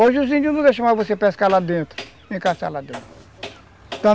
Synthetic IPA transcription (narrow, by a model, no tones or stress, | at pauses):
oʒuzĩd͡ʒũnũd̪eʃɐmavosepɛskalad̪ẽt̪ɾʊ | ẽkasa̰lad̪ẽt̪ɾʊ | t̪ɐ̃